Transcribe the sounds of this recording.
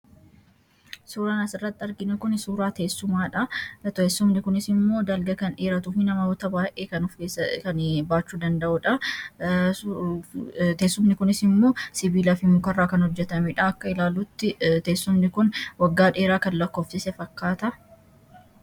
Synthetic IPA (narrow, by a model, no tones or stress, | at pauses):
suːɾaːnɐsɪrːɐt̪ːɐɾɡɪnɛkʊnsuːɾaːt̪e̞ːsːʊmaːᶑɐt̪eːsːʊmnɪkʊnɪsɪmːo̞ːd̪ɐlɡɐkɐnᶑeːɾɐt̪ʊfɪnɐmɐɔt̪ɐbaːʔeːkɐnʊfeːkɐnbaːt͡ʃːuːd̪ɐnd̪ɐʔʊᶑɐ | t̪eːsːʊmnɪkʊnɪsɪmːo̞ːsɪbiːlɐfɪmʊkɐrːaːkɐnhɔd͡ʒːɛt̪ɐmɛᶑɐɐkːɐɪlaːlut̪ːɪt̪eːsːʊmnɪkʊnwɐɡːaːᶑeːɾaːkɐnlɐkːoːfsɪsɛfɐkːaːt̪ɐ